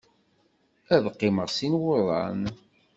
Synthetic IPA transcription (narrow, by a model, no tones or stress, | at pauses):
æðqːɪməʁsinwʊðˤɑ̰n